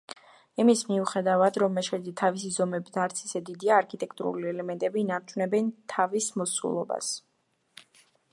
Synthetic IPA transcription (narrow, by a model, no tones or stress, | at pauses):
imismiuχɛd̪avad̪ɾɔmːɛʃɛd̪it̪ʰavisizɔmɛbit̪ʰaɾt̪sʰi̥sɛd̪id̪iaːɾkʰit̪ʼɛkʰt̪ʼuɾṵliɛlɛmɛnt̪ʼɛbiːnaɾt͡ʃʰunɛbɛnt̪ʰavismɔsṵlˠɔ̰ba̰s